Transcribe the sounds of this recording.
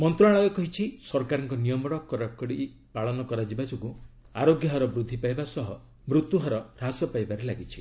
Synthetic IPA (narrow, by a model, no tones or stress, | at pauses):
mɔnt̪ɾɔaɭ̃ɔekɔɦit͡ʃʰisɔɾkaɾɔŋkɔnijɔmɔɽɔkɔɾakɔɽiʔ | paɭɔnɔkɔɾad͡ʒibad͡ʒoɡu | a̰ɾoɡjɔɦɔɾɔbɾud̪ʱːipajbasɔɦɔ | mɾut̪ːuɦɔɾɔɾasɔpajbaɾelaɡit͡ʃʰi̥